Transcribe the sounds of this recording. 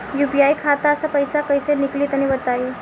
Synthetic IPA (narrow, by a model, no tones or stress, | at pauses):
jubijaikʰat̪aəsapəjsakəjseniklit̪ənibət̪ai